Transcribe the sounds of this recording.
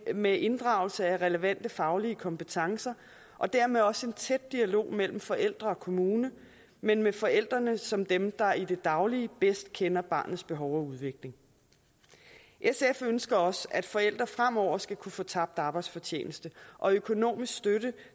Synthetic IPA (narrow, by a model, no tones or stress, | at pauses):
meʔe̝nd̥ʁɑ̈ʊl̩səæʁɛləʋæn̰d̥əfɑ̈ʊliəkʰɒ̽mpe̝t͡sʰɑ̈ŋsɐ | ʔɒ̽d̥æɐ̰meðˠɒ̽səe̝nt͡sʰed̥̚ːiælo̝̰ːmel̰m̩fɒ̽ʔel̰d̥ʁɐɒ̽kʰo̝muːnə | menmefɒ̽el̰d̥ʁɐnəsɒ̽md̥emd̥ɑ̈id̥e̝d̥ɑ̈ʊliəb̥esd̥̚kʰenɐb̥ɑ̈ːnð̩ˠsb̥e̝ɦɒʊɒuð̞ˠʋe̝ɡ̥le̝ŋ | ʔesefønsɡ̥ɐɒ̽sæd̥fɒ̽el̰d̥ʁɐfʁam̰ɒʊ̰ɐsɡ̥ækʰufoːt͡sʰɑ̈b̥̚d̥ɑ̈ːb̥ɑɪd̥sfɒ̽t͡ɕʰḛːnəsd̥əʔɒ̽økʰo̝no̝̰ːmisɡ̥sd̥øɾə